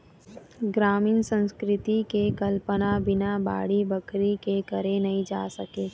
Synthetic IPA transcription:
ɡɾaːmiːnsə̃nskɾɪt̪itkekɐlpənabɪnaba̰ːɽibɐkɾikekɐɾenɐɦĩd͡ʒaːsɐkeː

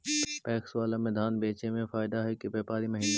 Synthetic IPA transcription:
pɛːkswaːlamɪd̪ʱaːnbeːt͡ʃemẽfaːɪd̪aɦɛkebeːpaːɾimɐɦiːn

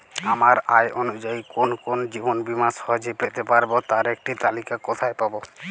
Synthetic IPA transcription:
amaɾajʔonud͡ʒaikonkond͡ʑibonbimasɔɦod͡ʒepet̪epaɾbot̪aɾekʈit̪alikakɔt̪ʰajpabo

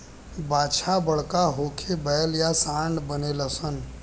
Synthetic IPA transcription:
baːt͡ʃʰabəɽ̤kaɦoːkʰebɛːəljasãːɳɖbəneləsən

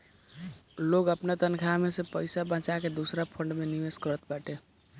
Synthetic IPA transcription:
loɡəpnat̪ənkʰamesepəɪsabãt͡ʃaked̪usɾapʰəɳɖmeniʋeskəɾət̪̚baʈe

